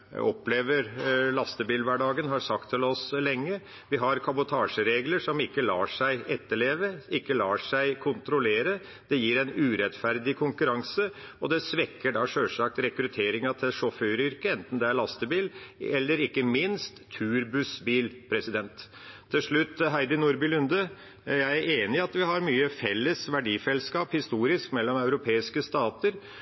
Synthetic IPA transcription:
ɔpːleːʋəɾlɑst̪əbiːlʋæɖɑːɡənɦɑɾsɑkt̪ʰːɪlɔslɛŋːə | ʋɪɦɑɾkʰɑbʊt̪ʰɑːʂəɾeːɡləʂɔmɪkːəlɑ̰ːʂæɪʔɛt̪ːəɭeːʋəɪkːəlɑːʂæɪkʰʊnt̪ɾʊleːɾə | d̪̥ɛjiːɾɛɪnʉːɾɛt̪fæɾd̪ɪkʰʊŋkʉɾɑŋsəɔd̪ɛsʋɛkːəɖɑʂøːlʂɑk̚t̪ɾɛkɾʉt̪ʰeːɾɪŋɑt̪ʰɪlʂɔfœːɾʏɾkəɛnt̪n̩d̪ɛæɾɭɑst̪əbiːlɛlːəɾɪkːəmɪnst̪ʰːʉːɾbʉsbiːlpʰɾɛsɪd̪ɛnt̪ʰː | ɪlʂɭʉt̪ːɦæɪd̪ənuɾbɪlʉnd̪ə | jæɪæɾʔeːnɪɑt̪ʋɪhɑɾmyːəfɛlːəsʋæɖiːsɛlskɑːphɪst̪uːɾɪskmɛlːɔmɑʉɾʊpʰeːɪskəst̪ɑːt̪əɾ

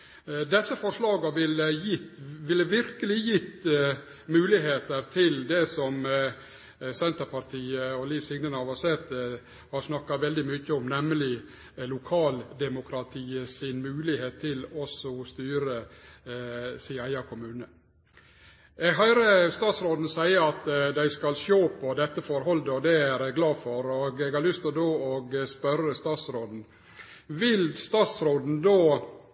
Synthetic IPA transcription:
d̪ɛsːəfɔʂlɑːɡɑʋɪləjɪt̪ʋɪləʋɪɾkəlɪjɪt̪ː | mʉːlɪɦeːt̪əɾt̪ʰɪld̪ɛsɔm | sɛnt̪əɾpʰɑɾt̪ʰiːəɔlɪfsɪŋnənɑʋɑsɛt̪ː | hɑɾʂnɑkːɑʋɛld̪ɪmʏçːəɔmnɛməlɪ | lʊkʰɑːld̪ɛmʊkʰɾɑt̪ʰiːəsɪnmʉːlɪheːt̪ʰːɪlɔsɔst̪yːɾə | sɪæɪɑkʰʊmʉːnə | ɛɡɦɑɾəst̪ɑːt̪sɾoːd̪n̩sæɪəɑt̪d̪æɪskɑlʃoːpʰɔd̪ɛt̪ːəfɔɾɦɔld̪əɔd̪ɛæɾɡlɑːfɔɾɔɡɛɡɑɾɭʏst̪ɔd̪oːɔɡspœɾəst̪ɑːt̪sɾoːd̪n̩ | ʋɪlst̪ɑːt̪sɾoːd̪n̩d̪oː

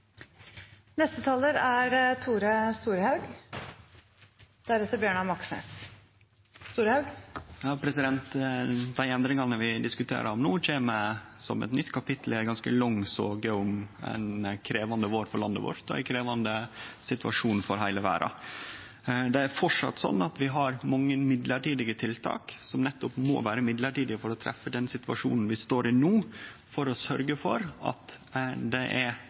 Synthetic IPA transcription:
nɛst̪ət̪ʰɑːləɾæɾt̪ʰuːɾəst̪uːɾhɑʉɡ | d̪̥æɾɛt̪ːəbjøːɳɑmɑksḛːt̪ | st̪uːɾhɑʉɡjɑːpʰɾɛsɪd̪ɛnt̪d̪æɪɛnd̪ɾɪŋɑnəʋɪd̪ɪskʉt̪ʰḛːɾʔəɾɔmnuːc͡çeːməsɔ̰mɛ̰t̪nʏt̪ːkʰɑpʰɪt̪ʰl̩ɛɡɑnskəlɔŋːsoːɡəʊmɛ̰ɪnkʰɾeːʋɑnd̪əʋoːɾfɔɾɭɑnd̪ːə̰ʋɔ̰ɾt̪ɔ̰ɛ̰ɪnkʰɾeːʋɑnd̪əsɪt̪ʋɑ̰ʂuːnfɔɾɦæɪləʋæ̰ːɾʔɑ̰ | d̪ɛæɾfɔʈʂɑ̰t̪ːsɔ̰nːɑt̪ʋɪɦɑɾmɑŋːəmɪd̪ləʈiːd̪ɪɡət̪ʰɪlt̪ʰɑ̰ːksɔmnɛt̪ːʊpmo̰ːʋæːɾəmɪd̪ləʈiːd̪ɪfɔɾɔt̪ʰɾʔɛ̰fːəd̪ɛnsɪt̪ʋɑ̰ʂṵːnn̩ʋɪst̪oːɾɪnuːfɔɾɔsœɾɡəfɔɾɑ̰t̪d̪ɛʔæɾ

